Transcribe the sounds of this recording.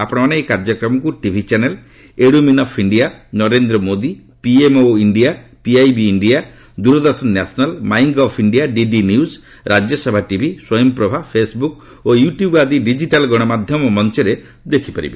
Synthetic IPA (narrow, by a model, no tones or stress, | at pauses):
apɔɽ̃ɔmaneekaɾd͡ʒɔkɾɔmɔkuʈibʱit͡ʃanel | eɽuminɔpʰiɳɖianɔɾend̪ɾɔmod̪i | piemoiɳɖiapiajbiːɳɖija | d̪uɾɔd̪ɔɾsɔnːasɔnalmajŋɡɔpʰiɳɖijaɖiɖinjus | ɾʔad͡ʒɔsɔbʱaʈibʱiswɔjɔmpɾɔbʱapʰesbuk | ojuʈjubad̪iɖid͡ʒiʈalɡɔɽ̃ɔmad̪ʱjɔmɔmɔnt͡ʃɔɾe | d̪ekʰipaɾḭbe